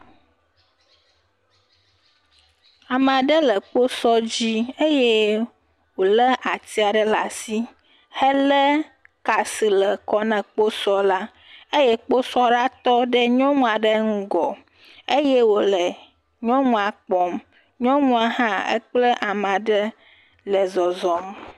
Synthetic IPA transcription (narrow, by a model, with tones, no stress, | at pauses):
a˨mã˨ɖə˦lə˨k͡po˦sɔ˦d͡ʑi˦e˦je˦ | wo˨lə˦ʔa˨t̪i˦a˨ɖə˦la̰˨si˦ | hə˦lə˦ | ka˨si˨lə˨kɔ˦nɛ̃˨k͡po˦sɔ˦la˦ | e˦je˦k͡po˦sɔ˦ɖa˦t̪ɔ˦ɖə˦ɲɔ̃˦mũ˦˨a˨ɖə˦ŋ̩˦ɡɔ˨ | e˦je˦wo˨lə˨ | ɲɔ̃˦mũ˨a˨k͡pɔ˦m | ɲɔ̃˦mũ˦a˨ɦã˦ə̰˦k͡plə˦ʔa˨ma˨ɖə˦ | lə˨zɔ˨zɔ˨m